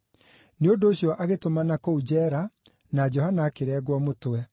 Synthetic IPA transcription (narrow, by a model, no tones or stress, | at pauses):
neondoːɕjɔʔaɣetomanakoud͡ʑɛɾa | nad͡ʒɔhanaːkeɾɛɣwɔmotwɛ